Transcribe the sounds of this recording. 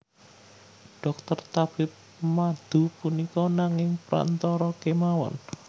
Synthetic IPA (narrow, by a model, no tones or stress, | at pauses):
ɖ̥ɔk̚t̪ərt̪ab̥ɪp̚ | mad̪̥ṳpunikɔnaŋɪŋpɾa̰nt̪ɔɾɔkemawɔ̰n